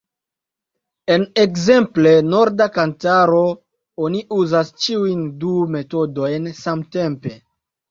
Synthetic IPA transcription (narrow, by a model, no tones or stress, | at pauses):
e̞ne̞kze̞mple̞no̞ɾdakantaɾo̞ | o̞niʔuzast͡ʃiujndume̞to̞do̞jnsamte̞mpe̞